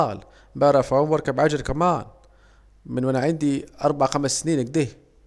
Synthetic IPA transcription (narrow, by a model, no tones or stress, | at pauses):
ɑl | bæɾˤɑfæmwɑɾˤkabʕad͡ʒəɾkæmaːn | mənwʔænaʕand̪iʔɑɾˤbaʕaxæməsːniːnəɡ̚d̪iːh